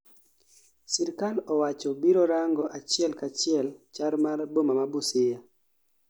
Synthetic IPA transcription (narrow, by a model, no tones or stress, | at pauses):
sɛɾkalɔwat͡ʃɔbiɾɔɾaŋɡɔʔat͡ʃɪɛlkat͡ʃɪɛlt͡ʃaɾmarbomamabʊsɪja